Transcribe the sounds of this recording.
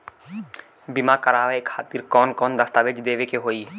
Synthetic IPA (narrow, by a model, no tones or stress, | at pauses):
bɪmakəɾaːʋekʰaːt̪iɾkɔːnkɔːnd̪ɐst̪aːʋed͡ʒd̪eːʋekeɦoːiː